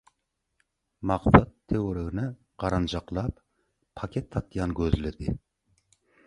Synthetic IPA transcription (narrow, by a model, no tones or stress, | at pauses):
mɑqsɑt̪ʰːewɾɪɣɪnɪ | qɑɾɑnd͡ʒɑqlˠɑp | pʰːɑkʲʰet̪ʰːɑt̪ːjɑnɡʲøzɪlɪd̪ɪ